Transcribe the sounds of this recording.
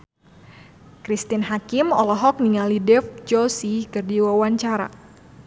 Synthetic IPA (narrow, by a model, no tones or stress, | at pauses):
kɾist̪inɦakɪmɔlɔɦɔk̚niŋalidɛfd͡ʒɔsikɨrdiwawaɲt͡ʃaɾa̰